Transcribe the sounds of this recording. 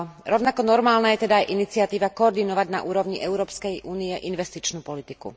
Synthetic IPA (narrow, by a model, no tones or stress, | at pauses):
ɾɔʊnakɔnɔɾmaːlnaːjɛt̪ɛd̪aːjʔinit͡siat̪iːʋakɔːɾd̪inɔʋaɟna̰ʔuːɾɔʋɲiʔɛuɾɔːpskɛjʔuːniɛʔinʋɛst̪it͡ʃnuːpɔlit̪ikṵ